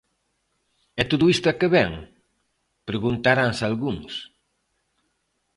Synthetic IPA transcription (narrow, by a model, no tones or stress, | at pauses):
ɛt̪oðʊist̪ʊakeβɛŋ | pɾeɣunt̪aɾaŋsalɣuŋs